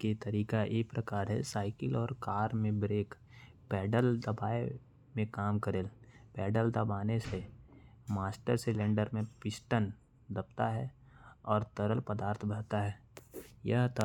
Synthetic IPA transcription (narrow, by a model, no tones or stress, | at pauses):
kit̪əɾiːkaʔeːpɾəkaːɾɦɛ̰saːɪkɪlɔːɾkaːɾmẽbɾeːk | pɛːɖəld̪ɐbaːe | mẽkaːmkəɾeːlpɛːɖəld̪əbaːnese | maːsʈəɾsɪlẽːɳɖəɾmẽpɪsʈən | d̪ɐpt̪aɦɛɔːɾt̪əɾəlpəd̪aːɾt̪ʰbəɽt̪aɦɛːjɐɦt̪